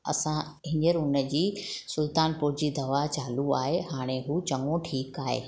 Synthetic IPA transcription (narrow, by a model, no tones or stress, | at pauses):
ɐ̰sã | ɪ̃ɲd͡ʑəɾʊnə̆d͡ʑiːsʊlt̪aːnpʊd͡ʑid̪ɐʋat͡ɕaːluaːɦeɦaːɽ̃eɦuːt͡ɕɐŋõʈʰiːkaːɦḛː